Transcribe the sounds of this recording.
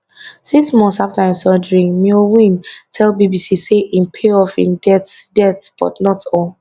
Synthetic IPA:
siksmɔ̃nsaftaĩmsɔdɹĩŋmiowĩntʰɛlbibisiseʔĩmpʰeɔfḭ̃ndɛtdɛtb̥ɔ̰tnɔtʰɔl

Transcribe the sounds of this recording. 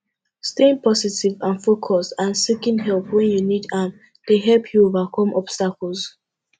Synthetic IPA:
steĩnpʰɔsitivãnfokʰɔstãnsikĩnɦɛlˠpwɛ̃njunidam | d̥eɦɛlpʰjuovakʰɔ̃mʔɔb̥stakɔls

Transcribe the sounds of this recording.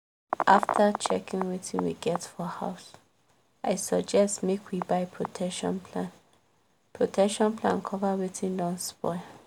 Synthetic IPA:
ʔaftʰət͡ʃʰɛkĩŋwetʰɪ̰̃nwḭɡɛtfɔha̰ʊs | aɪsəɡd͡ʒɛstmekʰwibaɪpʰɹotʰɛkʃɔ̰̃npʰlãn | pʰɹotʰɛkʃɔ̃npʰlã̰nkʰɔvəwetʰĩndɔ̃nspɔ̰ɪ

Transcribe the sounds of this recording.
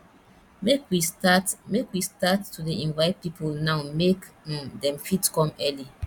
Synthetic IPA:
mekwistatmekwistatːudeĩnvaɪt̚pipʰolnaʊmekdɛ̃mfitkɔ̃mɛli

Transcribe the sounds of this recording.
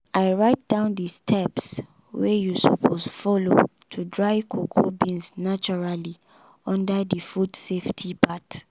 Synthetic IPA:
aɪɹaɪt̚d̥ãʊ̃ndistʰɛps | wɛjusɔ̰pʰosfɔlo̰ | tʰudɹaɪkʰokʰobĩnsnat͡ʃɔɹali | ɔ̃ndədifudseftʰipʰat

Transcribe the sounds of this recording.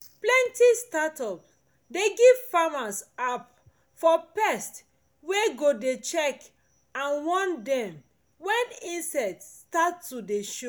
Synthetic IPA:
plɛ̃ntistatɔp | deɡiv̥famasap | fɔpɛst | weɡodet͡ʃɛk | ãnwɔ̃ndɛ̃m | wɛ̃nĩnsɛtstatːudeʃo

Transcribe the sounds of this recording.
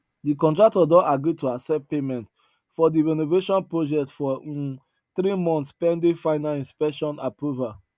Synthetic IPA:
dikɔ̃ntɹak̚tɔdɔ̃aɡɾituasɛpemɛ̃nt | fɔdiɹɛnoveʃɔ̃npɹod͡ʒɛk̚tfɔ | θɾimɔ̃nt̪spɛ̃ndefaɪnalĩnspɛkʃɔ̃napɹuva

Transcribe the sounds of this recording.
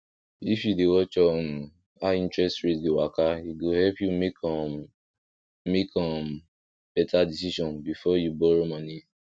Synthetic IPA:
ifjudewɔt͡ʃɔnũ | aĩntɹɛstɹetdewakaiɡohɛlpjumekʰɔ | mekʰɔ̃m | b̥ɛtʰadisiʃɔ̃nbifɔjubɔɾomɔni

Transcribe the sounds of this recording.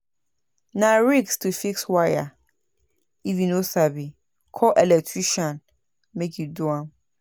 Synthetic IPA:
nãɹikstʰufikswaja | ivĩnosabi | kʰɔʔɛlɛk̚tʰɹiʃɔ̃n | mekʰjuduãm

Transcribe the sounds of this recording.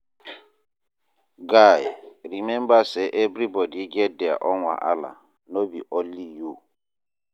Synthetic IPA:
ɡajɾimembaseʔebɾibɔdiɡedɛa̰ʔɔŋʷa̰ʔala̰ | nobiʔoliju

